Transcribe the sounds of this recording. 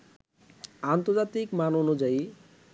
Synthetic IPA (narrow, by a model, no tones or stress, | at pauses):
ant̪oɾd͡ʑat̪ikmanonud͡ʑai